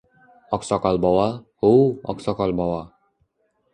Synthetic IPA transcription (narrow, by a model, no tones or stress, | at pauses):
ɔksɔkalbɔwahowɔ̰ksɔkalbɔwa